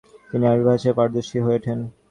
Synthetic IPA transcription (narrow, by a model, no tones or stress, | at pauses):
t̪iniaɾibʱaʃepaɾd̪oʃiɦoeʈʰen